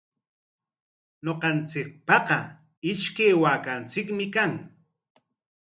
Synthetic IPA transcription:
noqɑnt͡sɪk̚pɑqɑ | ɪʃkejwaːkant͡sɪkmɪkaŋ

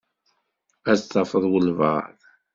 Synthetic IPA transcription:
æzt̪ːɑfəðˤwəlvɑ̰ðˤ

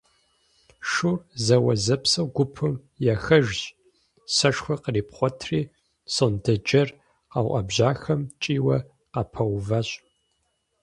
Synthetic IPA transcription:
ʂʊrzɐwɐzɐpsɐwɡʷʊpʰɨm | jɛxɐʒɕ | sɐʂxʷɐqəriːpχʷɔtʰriː | sondɐd͡ʒʼɐr | awʔɐ̰bʑaːxɐmt͡ʃʼiːwɐ | qapʰɐwvaɕʼ

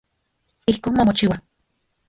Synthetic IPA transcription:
ihkoːnmamot͡ʃiwa

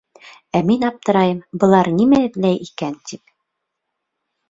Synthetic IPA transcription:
æminɑp̚t̪ɤ̆ɾɑjɤmbɤ̆lˠɑɾnimæɘ̆ðlæjʔikænt̪ip

